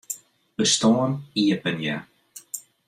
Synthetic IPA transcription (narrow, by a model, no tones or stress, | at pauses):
bəst̪ɔːniəpənja̰